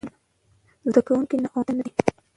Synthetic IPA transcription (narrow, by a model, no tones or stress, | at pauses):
zd̪akawuŋkinaʔoanai